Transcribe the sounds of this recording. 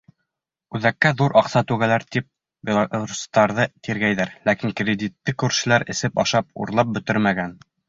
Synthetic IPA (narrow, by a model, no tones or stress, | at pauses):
ʉðækːæðuɾʔɑqsɑt̪ʉɡælæɾt̪ip̚ | bʲelˠaɾust̪ɑɾðɤt̪iɾɡæjðæɾlækiŋkrʲed̪ʲit̪ːɘkʉɾʃɘ̆læɾɘ̆sɘpɑ̰ʃɑp̚ṵɾlˠɑp̚bɵ̆t̪ɘɾmæɡæn